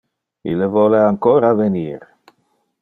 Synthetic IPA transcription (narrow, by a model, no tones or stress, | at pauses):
ḭlevɔleaŋkɔːɾaveniːɾ